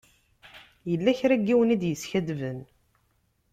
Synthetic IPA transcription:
jəlːæçɾæɡːiwnid̪jəsçæd̪vən

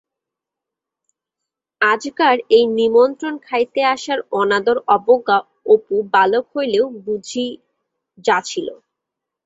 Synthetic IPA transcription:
ad͡ʑɡaɾejnimont̪ɾonkʰajt̪eaʃaɾɔnad̪oɾɔboɡa | opubalokɦojleʊbud͡ʑʱi | d͡ʑat͡ɕʰilo̰

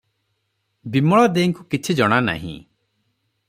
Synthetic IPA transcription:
bimɔɭɔd̪ejŋkukit͡ʃʰid͡ʒɔɽ̃ana̰ɦḭ̃

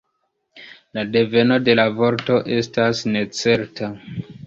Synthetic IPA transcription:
lade̞ve̞no̞de̞lavo̞ɾto̞ʔe̞stasne̞t͡se̞ɾta

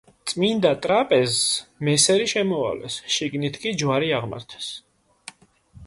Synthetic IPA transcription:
t̪sʼmind̪at̪ʼɾapʼɛzmɛsɛɾiʃɛmɔa̰vlɛ̰sʃiɡnit̪ʰkʼid͡ʒwaɾiaʁma̰ɾt̪ʰɛ̥s

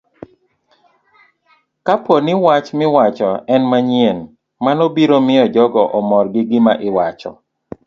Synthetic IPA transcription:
kaponɪwat͡ʃmɪwat͡ʃɔɛnmaɲien | manɔbiɾomɪɔd͡ʒɔɡɔʔɔmɔrɡɪɡɪmaʔɪwat͡ʃɔ̰

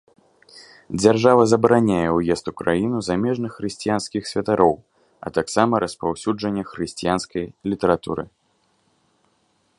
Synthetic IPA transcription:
d͡zʲarʐavɐzɐbɾanʲajɛwjɛst̪ukɾajinuzamʲɛʐnɨxːɾɨsʲt͡sʲijanskʲixsʲvʲɐt̪aɾʔɔw | ɐ̰t̪aksamɐɾɐspawsʲud͡ʐɐnʲːɛxɾɨsʲt͡sʲijanskɐjlʲit̪ɛɾat̪ṵɾɨ̰

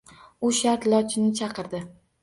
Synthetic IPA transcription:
ʊʃaɾt̪lɒt͡ʃʰɪnɪt͡ʃʰɑqɨɾd̪ɪ

